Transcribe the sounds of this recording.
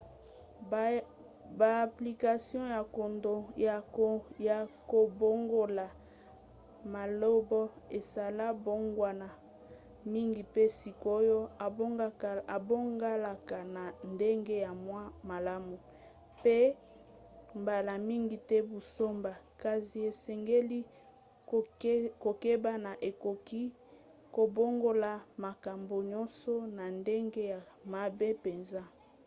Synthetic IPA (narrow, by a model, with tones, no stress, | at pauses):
ba˨pli˨ka˨sjɔ̃˦ja˨ko˨ndo˨ja˨ko˨ja˨ko˨bo˦ŋɡo˨la˨ | ma˨lo˦bɔ˦e˨sa˨la˦bo˦ŋɡwa˨na˨ | mi˦ŋɡi˨pe˦si˨ko˦jo˦a˨bo˦ŋɡa˦˨a˨bo˦ŋɡa˦la˨ka˨na˨nde˦ŋɡe˦ja˨mwa˦ma˨la˦mu˨ | pe˦ | mba˨la˨mi˦ŋɡi˨tɛ˦bu˨so˦mba˨ka˨zi˨e˨sɛ˨ŋɡe˦li˦ | ko˨ke˦ba˦na˨ʔe˨ko˨ki˦ | ko˨bo˦ŋɡo˦la˨ma˨ka˨mbo˨ɲɔ˦nsɔ˦na˨nde˦ŋɡe˦ja˨ | ma˨be˦pe˨nza˦